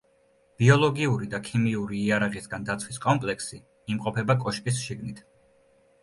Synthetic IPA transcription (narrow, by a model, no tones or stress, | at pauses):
b̥iɔlˠɔɡiuɾid̪akʰimiuɾiːaɾaʁisɡand̪at̪sʰwiskʼɔmpʼlɛksiː | mqʼɔpʰɛbakʼɔʃpʼisʃiɡnit̪ʰ